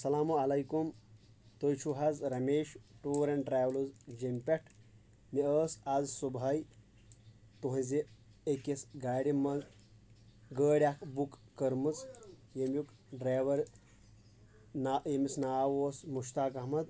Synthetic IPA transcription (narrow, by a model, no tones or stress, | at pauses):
ɐsɐlaːmuɐlɐjkum | t̪ojt͡ʃʰuɦɐzɾɐmeːʃʈuːɾɐɳʈɾaːʋluzd͡ʒimʲpʲeʈʰ | miəːsazsubʱaj | t̪uɦɐ̃ze | ekesɡaːɽimɐz | ɡəːɽʲakʰbukːɐɾmɨt͡sjemjuk | ɖɾaːʋɐɾ | najemisnaːwoːsmuʃt̪aːkɐɦmɐd̪